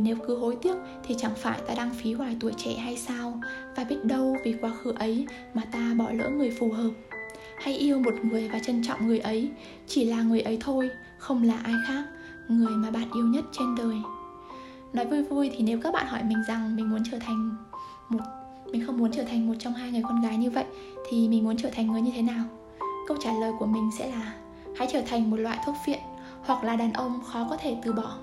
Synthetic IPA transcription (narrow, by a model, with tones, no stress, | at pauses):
ne˨˦wkɨ˨˦ɦo˨˦jt̪i˦˥ək̚t̪ʰi˨˩t͡ɕa˧˩ŋfaː˧˩jt̪aː˧ɗaː˧ŋfi˨˦ɦwaː˧˩jt̪u˧˩əjt͡ɕɛ̰˧˨ɦa˧jsaː˧wvaː˨˩ɓi˦˥ət̚ɗə˧wvi˨˩kwaː˨˦xɨ˨˦ʔə˨˦j | maː˨˩t̪aː˧ɓɔ˧˩lə̰ː˧˥ŋɨ˨˩əjfu˨˩ɦəː˨˩p̚ | ha˧jʔi˧əwmo˨˩t̚ŋɨ˨˩əjvaː˨˩t͡ɕə˧nt͡ɕɔ̰˧˨wŋ͡mŋɨ˨˩əjʔə˨˦j | t͡ɕi˧˩laː˨˩ŋɨ˨˩əjʔə˨˦jt̪ʰo˧j | xə˧wŋ͡mlaː˨˩ʔaː˧jxaː˦˥k̚ | ŋɨ˨˩əjmaː˨˩ɓa̰ː˧˨nʔi˧əwɲə˦˥t̚t͡ɕe˧nɗəː˨˩j | nɔ˨˦jvu˧jvu˧jt̪ʰi˨˩ne˨˦wk̬aː˦˥k̚ɓa̰ː˧˨nhɔ˧˩jmï˨˩ŋ̟za˨˩ŋmi˨˩ŋ̟mu˨˦ənt͡ɕəː˧˩t̪ʰa˨˩ŋ̟ | mo˨˩t̚ | mï˨˩ŋ̟xə˧wŋ͡mmu˨˦ənt͡ɕəː˧˩t̪ʰa˨˩jŋ̟mo˨˩t̚t͡ɕɔ˧wŋ͡mɦaː˧jŋɨ˨˩əjkɔ˧nɣaː˨˦jɲɨ˧və̰˧˨jʔ | t̪ʰi˨˩mi˨˩ŋ̟mu˨˦ənt͡ɕəː˧˩t̪ʰa˨˩ŋ̟ŋɨ˨˩əjɲɨ˧e˨˦naː˨˩w | kə˧w̚t͡ɕaː˧˩ləː˨˩jku˧˩əmï˨˩ŋ̟sɛ̰˧˥laː˨˩ | ha̰˧˥jt͡ɕəː˧˩t̪ʰa˨˩jŋ̟mo˨˩t̚la̰ː˧˨jt̪ʰu˦˥ət̚fvḭ˧˨ən | hwa˨˩k̚laː˨˩ɗaː˨˩nʔə˧wŋ͡mxɔ˨˦kɔ˨˦t̪ʰe˧˩t̪ɨ˨˩ɓɔ˧˩